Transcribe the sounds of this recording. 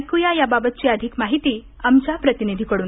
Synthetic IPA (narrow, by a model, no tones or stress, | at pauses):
kujajababət̪̚t͡ɕiːəd̪ʱikmaɦit̪iː | amt͡ɕjapɾət̪inid̪ʱikəɽuːn